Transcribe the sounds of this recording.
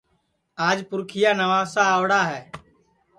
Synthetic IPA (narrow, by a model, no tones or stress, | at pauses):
aːd͡ʒpʊɾkʰɪjaːnəʋaːsaːʋɽaːɦɛː